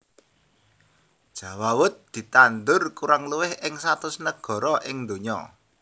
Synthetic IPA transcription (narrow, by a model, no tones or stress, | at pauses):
dd̥ʒ̥ä̤wawʊt̪̚d̪̥i̤t̪and̪ʊrkuɾaŋluwɪhɪŋsat̪ʊsnəɡ̥ɔ̤ɾɔʔɪŋnd̪o̤ɲɔ̰